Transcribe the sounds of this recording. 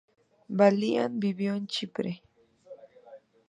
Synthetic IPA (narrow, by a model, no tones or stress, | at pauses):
balia̰nbibjont͡ʃɪpɾe